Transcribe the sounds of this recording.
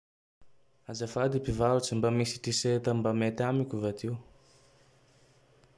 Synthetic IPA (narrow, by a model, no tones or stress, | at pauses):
azafad̪ipivaɾut͡simbamisi̥ʈ͡ʂiset̪əmbamet̪amikʲuvat̪iw